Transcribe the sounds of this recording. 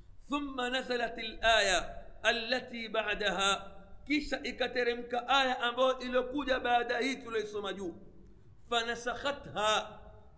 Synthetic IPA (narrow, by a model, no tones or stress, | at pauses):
θʊmːanazalatalʔaːjaːlːatiːɓaʕdaɦaːkiʃaʔikatɛɾɛm̩kaʔajaʔambajɔʔilɔkuʄaɓaːɗahiːtulɔisɔmaʄuː | fanasaxat̪haː